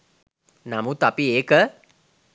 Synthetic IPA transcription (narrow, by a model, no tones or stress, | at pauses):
namut̪apieːkə